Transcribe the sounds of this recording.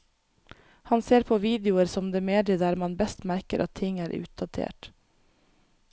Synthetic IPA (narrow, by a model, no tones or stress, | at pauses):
hɑnseːɾpʰoːʋiːd̪ɪʊəɾsɔmd̪eːmeːd̪əd̪æːɾmɑnbɛst̪mæɾkəɾʔɑ̰t̪ʰːɪŋæːɾʔʉ̰ːt̪̚d̪ɑt̪ʰḛːʈ